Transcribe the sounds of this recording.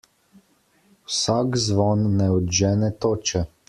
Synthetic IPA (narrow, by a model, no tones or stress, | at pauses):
wsakzʋɔnːɛɔd̪ʒɛːnɛt̪oːt͡ʃɛ